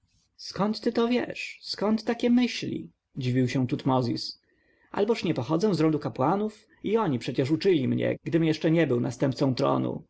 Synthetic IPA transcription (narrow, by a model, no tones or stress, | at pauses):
skɔnt̪ːɘt̪ɔvʲjɛ̰ʂskɔnt̪ːakʲɛmɘɕlʲḭ | d͡ʑivʲiwɕɛ̃t̪ut̪mɔzʲḭs | a̰lbɔʂɲɛpɔxɔd̪zɛw̃zɾɔnd̪ukapwanuf | iɔɲipʂɛt͡ɕɛʂ̬ut͡ʂɘlʲimɲɛ̰ɡd̪ɘmjɛʂt͡ʂɛɲɛbɘwnast̪ɛmp̚t̪sɔ̃w̃t̪ɾɔ̰nṵ